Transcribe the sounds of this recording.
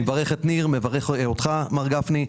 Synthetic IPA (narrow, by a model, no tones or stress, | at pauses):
vaʁeχet̪niʁmevaʁeχot̪χamaʁɡafni